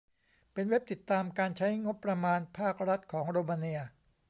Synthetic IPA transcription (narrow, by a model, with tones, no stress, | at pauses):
pe˧nwe˦˥p̚t̪i˨˩t̪ːaː˧mkaː˧nt͡ɕʰa˦˥jŋo˦˥pːɾa˧maː˧npʰaː˥˩k̚ɾa˦˥t̪̚kʰɔː˩˦ŋɾoː˧maː˧ni˧ɐ